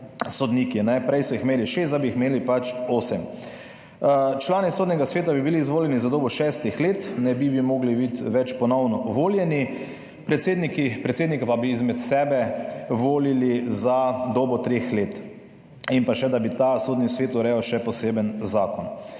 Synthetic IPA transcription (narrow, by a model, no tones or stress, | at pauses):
sɔd̪nikinɛpɾɛjsɔixmeːliʃezt̪d̪abiːxmeːlipat͡ʃoːsɛm | t͡ʃlaːnisoːd̪nʲɛɡasʋeːt̪abibiliːzʋoːljɛnizad̪oːbɔʃɛːst̪ixleːt̪nɛbibimoːɡlibit̪ʋɛt͡ʃpɔnɔwnɔʋoːljɛni | pɾɛt̪seːd̪nikipɾɛt̪seːd̪nikapabiizmɛt̪sɛːbɛʋoːlilizad̪oːbɔt̪ɾeːxleːt̪ | impaʃɛd̪abit̪asoːd̪nisʋeːt̪uɾɛɔʃɛpɔseːbənzaːkɔn